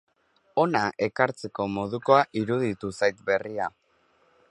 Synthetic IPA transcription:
o̞naʔe̞kaɾt͡se̞ko̞mo̞ð̞uko̞aʔiɾuðit̪usajt̪be̞ria

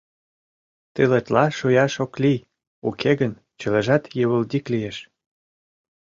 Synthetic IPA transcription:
t̪elet̪lɑʃujɑʃoklij | ukʰeɣən | t͡ɕə̆leʒɑt̪jə̆βə̆ld̪ʲiklijeʃ

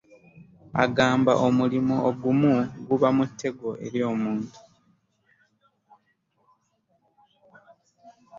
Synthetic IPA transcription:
a̰ɡaːmba̰ʔomulimuoɡumuɡuβamutʰːe̞ɡoʔe̞̰ɾjo̞ːmuːntu̥

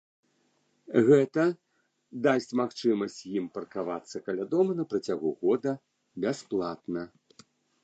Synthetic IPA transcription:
ɣɛt̪ɐ | d̪asʲt͡sʲmaxt͡ʂɨmɐsʲt͡sʲjimpɐrkavat̪sːɐkɐlʲad̪ɔmɐnɐpɾɐt͡sʲaɣuɣɔd̪ɐ | bʲasplˠat̪nɐ

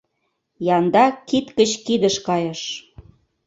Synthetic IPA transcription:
jɑnd̪ɑkit̪kət͡ɕkid̪əʃkɑjə̆ʃ

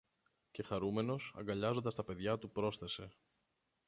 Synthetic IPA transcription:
ce̞xɐɾume̞no̞sɐ̰ŋɡɐʎɐzo̞nd̪ɐst̪ɐpe̞ðʝɐt̪upɾo̞sθe̞se̞

